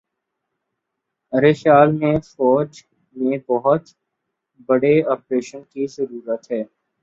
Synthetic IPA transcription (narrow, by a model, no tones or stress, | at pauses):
ɾeʃaːlmẽfɔːd͡ʒ | mẽbɔɦʊt̪ | bɐɽeɔːpɾeːʃənkizɐɾuːɾət̪ɦɛː